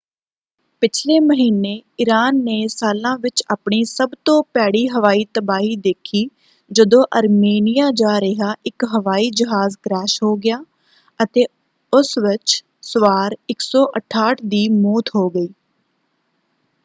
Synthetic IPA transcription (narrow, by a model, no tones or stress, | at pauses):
pɪt͡ʃʰleːməɦiːnːeːɪɾaːnːeːsaːlãːʋɪt͡ʃaːpɳiːsəbt̪õːpɛːɽiːɦəʋaːiːt̪əbaːɦiːd̪eːkʰiː | d͡ʒəd̪õːʔəɾmeːnɪjaːd͡ʒaːɾəɦaːʔɪkɦəʋaːiːd͡ʒəɦaːzkɾɛːʃɦoːɡɪjaː | ət̪eː | ʊsʋɪt͡ʃ | sʊʋaːɾɪksɔːʔəʈʰaːʈʰd̪iːmoːt̪ɦoːɡəiː